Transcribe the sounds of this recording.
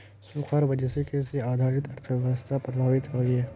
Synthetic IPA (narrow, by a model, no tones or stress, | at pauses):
sũːkʰaːɾʋɐd͡ʒɛsekeseaːd̪ʱaːɾɪt̪ɐɾt̪ʰəʋjʋəst̪ʰapɾɐbʱaːʋɪt̪ɦoːiɦɛ